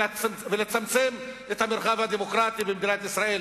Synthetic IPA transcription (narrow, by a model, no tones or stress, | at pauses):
velet͡samt͡se̞m | et̪hameɾχavhad̪emo̞kʁat̪ibemd̪inat̪isʁae̞l